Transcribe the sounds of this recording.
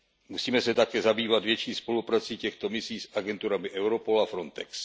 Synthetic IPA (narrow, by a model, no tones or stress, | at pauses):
musiːmɛsɛt̪akɛːzabiːvad̪vjɛt͡ʃiːspo̞lupɾaːt͡siːcɛxt̪omɪsiːsʔaɡɛnt̪uɾamɪʔɛwɾopo̞lafɾont̪ɛks